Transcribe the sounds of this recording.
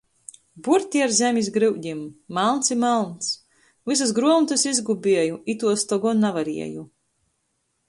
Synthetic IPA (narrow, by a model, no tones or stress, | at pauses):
buɾt̪ʲiaɾzʲɛmʲizɡɾɨwd̪ʲimːalˠnt̪simalˠns | vis̬as̬ɡɾuɔmt̪ɨsizɡubʲiɛjuʔit̪uɔst̪ɔɡɔnavaɾḭɛ̰ju